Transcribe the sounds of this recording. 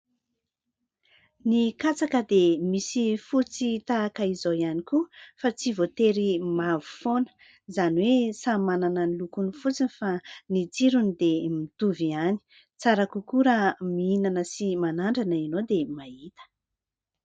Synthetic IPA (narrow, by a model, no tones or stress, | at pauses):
nikat͡sakəd̪emisifut͡sit̪aːkaizoianikufat͡sivot̪eɾimavu̥fonə̥ | zaniwesamanananilukunifut͡sinifanit͡siɾunid̪emit̪uviani̥ | t͡saɾakukuɾamiinanəsimanaɳɖ͡ʐanainod̪emaɦit̪ə̥